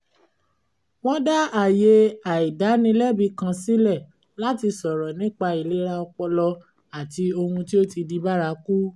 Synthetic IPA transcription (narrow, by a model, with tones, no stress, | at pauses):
wɔ̃˦da˦a˨je˧a˨i˨da˨˦nĩ˧˦lɛ˦˨bi˨˧kã˧si˦lɛ˦˨ | la˦ti˧sɔ˨ɾɔ˨nĩ˨˦k͡pa˧i˨le˦ɾa˧ɔ˧k͡pɔ˧lɔ˧ | a˨ti˧o˧hũ˧ti˦o˦ti˧di˧ba˦ɾa˧ku˦